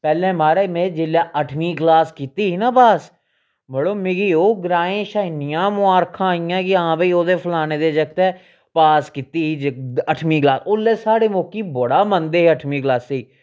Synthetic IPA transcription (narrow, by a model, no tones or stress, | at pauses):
pɛːlemaːɾamẽd͡ʒɪljaʔəʈʰmiːɡlaːskit̪iɦinaːbaːs | bəɽoːmɪɡiːoːɡɾaːẽːʃaːnɪjãːmʊaːɾkʰãɪjãːkiəɦãːpeoːd̪epʰəlaːneːd̪ed͡ʒək̚t̪ɛː | paːskit̪iːɦid͡ʒəʈʰmiːɡlaːsʊlːeːsaːɽemoːkiboɽaːmənd̪eːɦɛəʈʰmiːɡlaːseː